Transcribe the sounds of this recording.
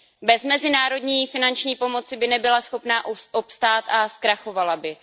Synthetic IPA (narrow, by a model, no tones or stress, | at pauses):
bɛzmɛzɪnaːɾo̞dɲiːfɪnant͡ʃɲiːpo̞mo̞t͡sɪbɪnɛbɪlasxo̞pnaːʔʔopst̪aːt̪askɾaxo̞valabɪ